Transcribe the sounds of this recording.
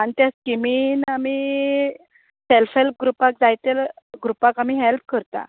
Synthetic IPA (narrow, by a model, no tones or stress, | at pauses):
anit̪jaskiminamiː | selfɦelp̚ɡɾupak̚d͡zajt̪el | ɡɾupakam̤iːɦelp̚kəɾt̪a̰